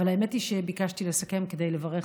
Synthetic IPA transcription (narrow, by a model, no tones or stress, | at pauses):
alaemetiʃebikaʃtilesake̞mke̞d̪e̞jlevaʁeχ